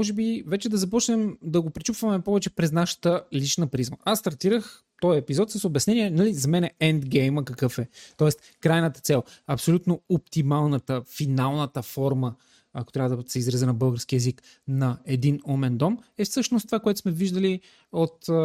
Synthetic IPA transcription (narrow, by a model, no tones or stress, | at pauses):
ɔʒɛbivɛt͡ʃɛd̪ɐzɐpɔt͡ʃnɛmd̪ɐɡopɾit͡ʃupvɐmɛpɔvɛt͡ʃɛpɾɛznaʃə̥t̪əlit͡ʃnəpɾizmə̰ast̪ɐɾt̪iɾəx | t̪ɔjɛpizɔt̪səsoʊbɛsnɛnʲiɛnɐlizɐmɛnɛɛnd̪ɡɛjməkəkɤfɛt̪ɔɛst̪ | kɾajnət̪ət̪sɛlˠɐpsolʲut̪noop̚t̪imalˠnət̪əfinalˠnət̪əfɔɾmə | ɐkot̪ɾʲavəd̪əsɛizɾɐzɛnɐbɤlˠɡəɾsk̟iɛzik | nɐɛd̪inɔmɛnd̪ɔmɛfsɤʃnost̪ovakoɛt̪ʊ̥smɛviʒd̪əli | ot̪